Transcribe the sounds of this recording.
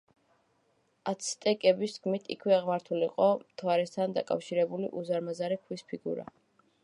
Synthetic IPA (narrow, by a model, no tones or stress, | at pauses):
at̪sʰt̪ʼɛkʼɛbisd̪ɡʰmit̪ʰḭkʰwɛaʁmaɾt̪ʰuliqʼɔmt̪ʰwaɾɛst̪ʰand̪a̰kʼa̰fʃiɾɛbulḭʔuzaɾmazaɾɛkʰwispʰiɡṵɾa̰